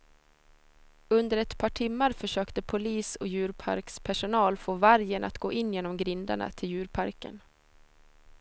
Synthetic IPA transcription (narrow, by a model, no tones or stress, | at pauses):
ɵnd̪əɾɛt̪pʰɑːʈʰɪmːaɾfœʂøːkt̪əpʰʊliːsɔjʉ̟ːɾpʰa̰ɾkspʰæʂʊnɑːlfoːvæɾjəna̰t̪ɡ̥oːʔɪnːjeːnɔmɡɾɪnd̪a̰ɳa̰t̪ʰɪljʉ̟ːɾpʰaɾkə̰n